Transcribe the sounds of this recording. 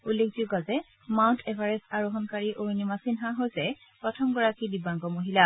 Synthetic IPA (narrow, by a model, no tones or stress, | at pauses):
ulːekʰziɡazɛ | mawntʰɛpʰaɹɛsaɹuɦɔnkaɹiʔoɹinimasinɦaɦojzɛ | pɹɔtʰɔmɡɔɹakidibaŋɡɔmoɦila